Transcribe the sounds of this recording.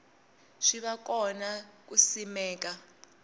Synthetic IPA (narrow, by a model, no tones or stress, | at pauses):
ʂiβakɔnak̬usimɛːk̬ʼa